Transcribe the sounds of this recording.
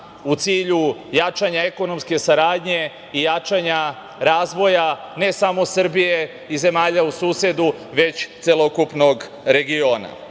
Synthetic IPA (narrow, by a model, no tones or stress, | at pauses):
ut̪siːʎujat͡ʃaɲae̞ko̞no̞mske̞saɾaːd̪ɲe̞ | ijat͡ʃaɲa | ɾaːzʋo̞jane̞samo̞sr̩bije | ize̞maːʎausuːsje̞d̪uʋe̞t͡ɕt̪selo̞kupno̞ɡ | ɾe̞ɡio̞ːna̰